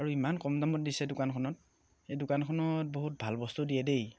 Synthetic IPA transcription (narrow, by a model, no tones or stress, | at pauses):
aɹuimankɔmzamɔt̚disɛdʊkankʰɔnɔt̚ | ejdʊkankʰɔnɔt̚boɦut̚bʱalbɔstudijɛdej